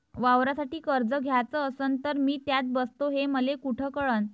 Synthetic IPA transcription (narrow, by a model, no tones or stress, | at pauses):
ʋaʋɾasaʈiːkəɾd͡zəɡʱjat͡səəsənt̪əɾmiːt̪jat͡s̪̚bəst̪oɦeməlekuʈʰəkəɭən